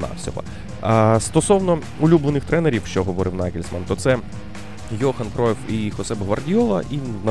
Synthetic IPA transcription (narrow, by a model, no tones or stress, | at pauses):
nɑ̰wsʲɔ̰ɦɐ̰ | st̪ɔsɔwnɔ | ulʲublˠenɪxt̪ɾɛneɾʲiwʃt͡ʃɔɦɔʋɔɾɪwnakʲɪlʲsmant̪ɔt̪sɛ | jɔxɐnkɾɔjɛwixɔsɛbɦʋɐrdʲiɔlˠɐ̰ʔinɐ